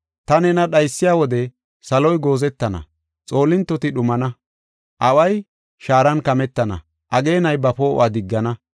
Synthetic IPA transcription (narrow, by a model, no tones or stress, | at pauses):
t̪ɐnɛnɐɗɐjsːɪjaːwɔd̪ɛ | sɐlɔjɡo̞ːzɛt̪ːɐnɐ̰ | t͡sʼo̞ːlːɪnt̪ːɔt̪ɪɗʊmɐnɐ | ʔɐwɐj | ʃaːɾɐnkɐmɛt̪ːɐnɐ̰ | ʔɐɡe̞ːnɐjbɐpo̰ːʔaːd̪ɪɡːɐnɐ